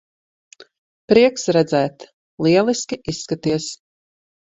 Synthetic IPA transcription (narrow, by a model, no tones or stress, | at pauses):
pɾiɛksɾɛd̪zæːt̪ | lˠiɛlˠiskʲiʔisːkat̪iɛs